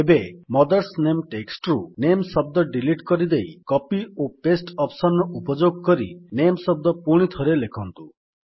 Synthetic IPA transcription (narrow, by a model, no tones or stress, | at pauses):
ebemɔd̪ɔɾsnemʈeksʈɾunemsɔb̚d̪ɔɖiliʈkɔɾid̪ejkɔpiopesʈɔpsɔnɔupɔd͡ʒoɡ̚kɔɾḭnemsɔb̚d̪ɔpuɽ̃it̪ʰɔɾelekʰɔnt̪u